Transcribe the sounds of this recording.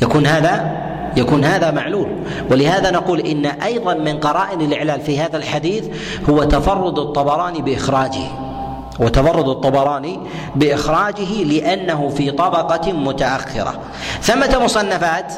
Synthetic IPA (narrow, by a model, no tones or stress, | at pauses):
jakuːnhaːða | jakuːnhaːðamaʕluːl | wɪlɪhaːðanɑquːlʔɪnːaʔɑjðˤɑnmɪnqɑɾˤɑːʔɪnɪlʔɪʕlaːlfihaːðalħad̪iːθ | hʊwat̪afɑrˤːʊd̪ɑt̪ˤːɑbɑɾˤɑːnibɪʔɪxɾˤɑːd͡ʒɪ̰h | wɪt̪ɑfɑrˤːʊd̪ɑt̪ˤːɑbɑɾˤɑːni | bɪʔɪxɾˤɑːd͡ʒɪɦɪlɪʔanːaɦʊfiːt̪ˤɑbɑqɑmʊt̪aʔaxːɪ̰ɾa̰ | θamːat̪amʊsˤɑnːafaːt̪